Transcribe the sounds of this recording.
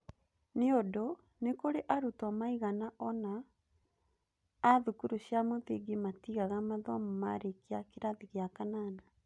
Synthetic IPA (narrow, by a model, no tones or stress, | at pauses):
neodo | nekoɾeʔaɾutɔmaiɣanaʔɔna | ðukuɾuɕjamoðiɡimatiɣaɣamaðɔmɔma̰ɾekeakeɾaðiɣeakanaːna